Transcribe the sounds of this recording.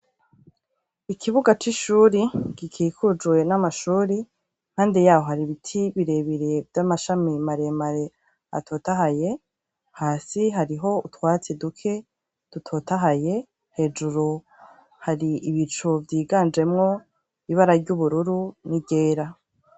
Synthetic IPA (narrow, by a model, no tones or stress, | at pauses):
ikʰiβuɡat͡ʃiʃuːɾiɡ̥ikʰikʰud͡ʒwe̞namaʃuːɾi | nhaːndijaːhohaɾiβitʰiβiɾe̞βiɾeevjamaʃamimaɾe̞maɾe̞ | a̰tʰo̞ːtahaje̞ | haːsiɦaɾiɦo̞utwaːt͡sedukʰe̞ | d̥utʰo̞ːtaɦaje̞ | he̞ːd͡ʒuɾu | haɾiʔiβit͡ʃuvjiːɡand͡ʒe̞mŋo̞ | iβaɾaɾɟuβuɾuɾuniɟe̞ːɾa